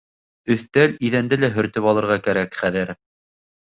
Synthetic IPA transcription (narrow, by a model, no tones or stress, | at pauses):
ɵ̆θt̪æliðænd̪ɘlæɦɵ̆ɾt̪ɵpɑlˠɤ̆ɾʁɑkæɾækχæðɘɾ